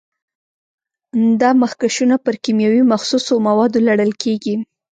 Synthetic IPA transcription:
d̪ɑmaxkaʃunapəɾkimjɑwimaxsusomawɑd̪olaɽəlkʰeɡi

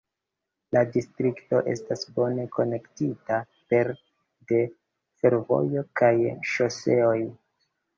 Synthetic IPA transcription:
ladistɾikto̞ʔe̞̰stasbo̞ne̞ko̞ne̞ktita | pe̞ɾ | de̞ | fe̞ɾvo̞̰jo̞kajʃose̞o̞j

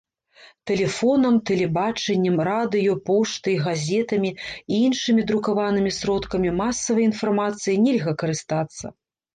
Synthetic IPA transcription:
t̪ɛlʲɛfɔnɐmt̪ɛlʲɛbat͡ʂɛnʲːɐmrad̪ɨjɔpɔʂt̪ɨɣazʲɛt̪ɐmʲiiinʂɨmʲid̪ɾukavanɨmʲisɾɔt̪kɐmʲimasːɐvɐjinfarmat̪sɨjinʲɛlʲɣɐkɐɾɨst̪at̪sːɐ̰

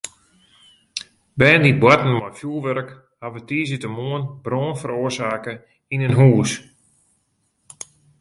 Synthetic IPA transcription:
bɛːndit̚bwatən̩mɔjfjulˠʋɛɾk | haʋətiːsitəmoənbroːnfəɾoərsaːkə | inənɦuːs

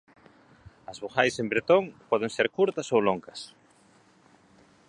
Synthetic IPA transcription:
ɐzβoxajsẽmbɾet̪oŋpɔð̞eŋseɾkuɾt̪ɐsowloŋkɐs

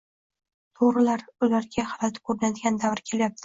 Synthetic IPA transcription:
t̪ʰoʁɾɪlaɾʊlaɾɡʲaχɑɾat̪ɪ̥kʰɵɾnad̪ɪɡʲand̪avɾɪkʲʰe̞ljap̚t̪ʰɪ̥

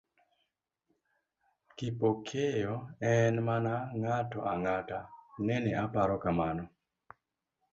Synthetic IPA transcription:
kipokʰejɔɛnmanaŋatɔʔaŋatanɛnɛapaɾɔkamanɔ

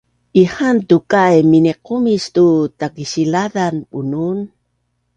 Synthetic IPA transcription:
ʔihantukajminiqumistutakiɕilaðanbunun

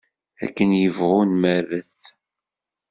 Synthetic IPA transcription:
æ̰kːənjəvʁunmərːəθ

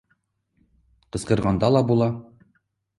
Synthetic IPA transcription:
qɤ̆sqɤ̆ɾʁɑnd̪ɑlˠɑbulˠɑ

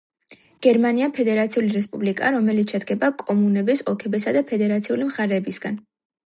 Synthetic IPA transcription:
ɡ̥ɛɾmaniapʰɛd̪ɛɾat̪sʰiuliɾɛspʼublikʼaɾɔmɛlit̪sʃɛd̪ɡɛbakʼɔmunɛbɛsɔlˠkʰɛbɛsad̪apʰɛd̪ɛɾat̪sʰiulimχaɾɛːbisɡan

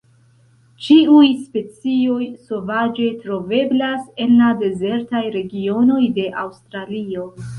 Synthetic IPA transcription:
t͡ʃiujspe̞t͡sio̞jso̞vad͡ʒe̞tɾo̞ve̞blase̞nlade̞ze̞ɾtajɾe̞ɡio̞no̞jde̞ʔawstɾalio̞

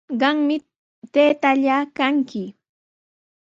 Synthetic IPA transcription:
ɢɑŋmɪ | t̪eːt̪aʎaːkaŋkɪ

